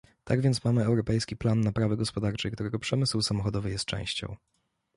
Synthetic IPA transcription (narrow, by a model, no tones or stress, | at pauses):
t̪aɡvʲjɛnt̪smamɘɛwɾɔpɛjskʲiplanːapɾavɘɡɔspɔd̪aɾt͡ʂɛjkt̪uɾɛɡɔpʂɛmɘswsamɔxɔd̪ɔvɘjɛst̪̚t͡ʂɛ̰̃w̃ɕt͡ɕɔ̰̃w̃